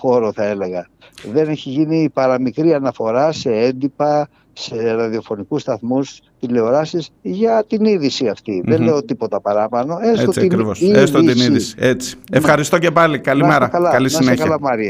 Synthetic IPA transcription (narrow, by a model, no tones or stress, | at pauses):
xo̞ɾo̞θɐe̞le̞ɣɐ | ðe̞neçiʝinipɐɾɐmikɾiɐnɐfo̞ɾɐse̞end̪ipɐ | se̞ɾɐðio̞fo̞nikust̪ɐθmus | t̪ile̞oɾɐsisʝɐt̪iniðisiɐft̪iðenleo̞t̪ipo̞t̪ɐpɐɾɐpɐno̞esosɐiɾivosest̪ot̪iniðisi̥et͡si̥efxɐɾist̪o̞cepɐlikɐlimeɾɐɐkɐlɐɐlisɐineçkɐlɐmɐɾiɐ